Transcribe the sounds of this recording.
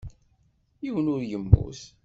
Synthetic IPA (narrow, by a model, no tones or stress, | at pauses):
jiwənʊɾjəmːṵθ